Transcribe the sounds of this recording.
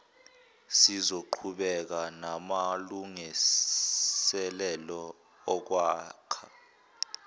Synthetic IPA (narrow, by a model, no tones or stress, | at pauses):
sizoǃʰuɓɛk̬anamaluŋi | ɛlɛlɔ | ɔk̬waːkʰḁ